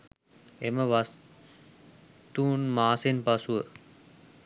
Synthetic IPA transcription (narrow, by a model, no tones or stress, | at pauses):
eməʋas | t̪uːnmaːsenpasuə